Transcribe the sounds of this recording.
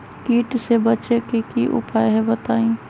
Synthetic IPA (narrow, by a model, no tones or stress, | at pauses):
kiːʈsebɐt͡ʃekekiʔʊ̰paːjɦebɐt̪aːĩː